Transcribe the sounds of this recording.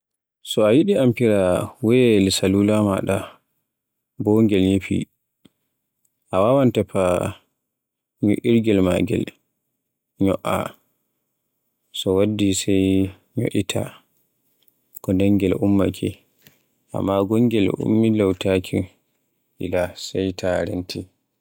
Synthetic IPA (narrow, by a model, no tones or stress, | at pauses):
sɔajiɗiampiɾawɛlsalulama̰ɗa | bɔŋɡɛlɲepḭ | ʔawawantapa | ɲuʔiɾɡɛlma̰ɡɛ̰l | ɲɔʔa̰ | sɔwadːisɛj | ɲo̰ʔitʰa̰ | kɔndɛŋɡɛlumːa̰kʰi | ʔa̰mːaɡɔŋɡɛlṵmːilawtakʰi | ʔilasɛjtʰaɾentʰi